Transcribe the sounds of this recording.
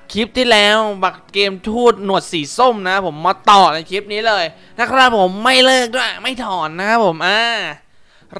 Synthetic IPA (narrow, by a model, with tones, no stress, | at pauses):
kʰi˦˥p̚t̪ʰiː˥˩lɛː˦˥wba˨˩kkeː˧mt̪ʰuː˥˩t̪̚nu˨˩ət̪̚siː˩˦so˥˩mna˦˥pʰo˩˦mːaː˧t̪ɔː˨˩na˧jkʰi˦˥p̚niː˦˥lɤː˧j | na˦˥kʰaː˦˥˩pʰo˩˦mːa˥˩jlɤː˥˩k̚duː˥˩jma˥˩jt̪ʰɔː˨˩nːa˦˥kʰa˦˥pʰːo˩˦mʔaː˧˩